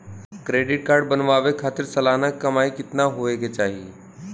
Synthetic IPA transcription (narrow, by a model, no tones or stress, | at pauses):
kɾeɖɪʈ̚kaːɾɖbənʋaʋekʰat̪ɪɾsɐlanəkːəmaikɪt̪naɦoeket͡ʃaːɦi